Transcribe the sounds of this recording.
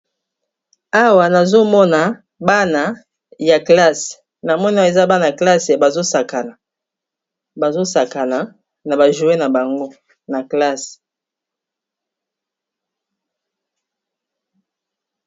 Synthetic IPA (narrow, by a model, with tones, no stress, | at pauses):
a˦wa˨na˨zo˦mɔ˦na˨ | ba˦na˨ | ja˨kla˦s | na˨mɔ˦n˦˨e˨za˦ba˦na˨a˨kla˦se˨ba˨zo˦sa˨ka˨na˨ | ba˨zo˦sa˨ka˨na˨ | na˨ba˨ʒu˨˦e˦na˨ba˨ŋɡo˦ | na˨kla˦s